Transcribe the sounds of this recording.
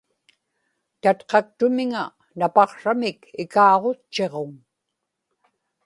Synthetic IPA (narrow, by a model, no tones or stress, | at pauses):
t̪at̪qɑk̚t̪ʊmɪŋa | napɑqʂamɪkɪkɑːʁo̞t͡ʃːe̞ʁoŋ